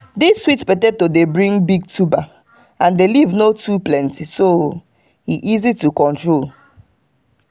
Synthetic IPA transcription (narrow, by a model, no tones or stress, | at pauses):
diswitpɛtɛd̚todebɹĩŋbiɡ̚tʰuba | ãndelivnotuplɛ̃ntiso | hiʔizitukɔ̃ntɹol